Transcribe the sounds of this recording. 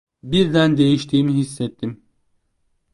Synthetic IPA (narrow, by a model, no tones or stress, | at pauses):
biɾd̪ænd̪e̞jiʃt̪ʰiːmiɦisːɛt̪ʰːim